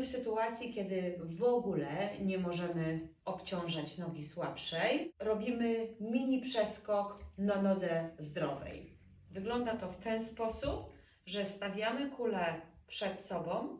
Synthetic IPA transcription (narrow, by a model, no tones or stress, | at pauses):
fsɘt̪uat̪sʲjikʲjɛd̪ɘvɔɡulɛɲɛmɔʐɛmɘ | ɔpt͡ɕɔ̃w̃ʐat͡ɕnɔɡʲiswapʂɛjɾɔbʲimɘmʲiɲipʂɛskɔknanɔd̪zɛzd̪ɾɔvɛ̰j | vɘɡlɔnd̪at̪ɔft̪ɛnspɔsup̚ | ʐɛst̪avʲjamɘkulɛpʂɛt̪sɔbɔ̃w̃